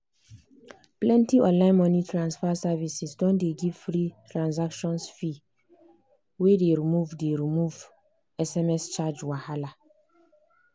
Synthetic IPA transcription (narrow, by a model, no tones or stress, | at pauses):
plɛ̃ntiɔ̃nlãɪ̃nmɔ̃nitʰɹãnsfasavisisdɔ̃ndeɡivfɾitʰɹãns̬akʃɔ̃nsfi | wedeɹimuvdeɾimuv | ɛsɛmɛst͡ʃad͡ʒwahala